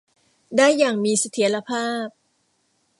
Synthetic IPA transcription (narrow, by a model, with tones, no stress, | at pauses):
daː˥˩jːaː˨˩ŋmiː˧sa˧t̪ʰi˨˩˦ɐɾa˧pʰaː˥˩p̚